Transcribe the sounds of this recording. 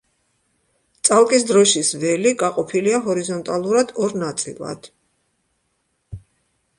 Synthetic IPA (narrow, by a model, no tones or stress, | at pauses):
t̪sʼalˠkʼisd̪ɾɔʃisvɛliɡaqʼɔpʰiliaɦɔɾizɔnt̪ʼalˠuɾad̪̥ɔɾnat̪sʼḭlˠa̰d̪̥